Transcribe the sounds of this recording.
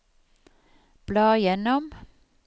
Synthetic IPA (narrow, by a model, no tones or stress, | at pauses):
b̥lɑːjɛnɔm